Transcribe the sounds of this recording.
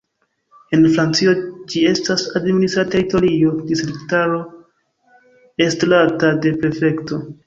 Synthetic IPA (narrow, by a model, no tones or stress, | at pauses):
e̞nfɾant͡sio̞d͡ʒie̞stasadministɾate̞ɾito̞ɾio̞distɾiktaɾo̞ | e̞stlatade̞pe̞ɾfe̞kto̞